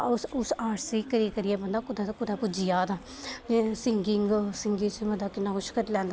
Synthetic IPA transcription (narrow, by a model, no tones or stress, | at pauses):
ʊsʊsaːɾsiːkəɾiːkəɾijɛːbənd̪aːkʊd̪at̪ːkʊd̪aːpʊd͡ʒijaːd̪aː | esɪŋɡɪŋɡsɪŋɡĩːt͡ʃməd̪aːkɪnːaːkʊt͡ʃʰkəɾilɛ̃ːnd̪a